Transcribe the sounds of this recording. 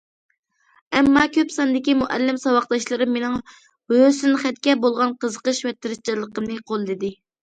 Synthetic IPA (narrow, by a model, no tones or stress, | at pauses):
ɛmːɑkʲøpsɑnd̪ɪkʲimuʔɛlːɪmsɑwɑχd̪ɑʃlˠɨɾɨmːenɪŋ | wøsynχɛt̪kʲɛbolˠʁɑnqʰəzəqəʃwɛt̪ːɪɾɪt͡ʃʰɑlˠəqəmnɨqʰolˠd̪ɪd̪ɪ